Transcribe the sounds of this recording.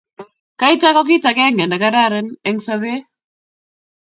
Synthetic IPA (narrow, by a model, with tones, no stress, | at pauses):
ka˦jta˦kɔ˦k̬i˦ta˨ke˦ŋɡɛ˨nda˨ka˦ɾa˦ɾe˦ne˦ŋsa˦βe˦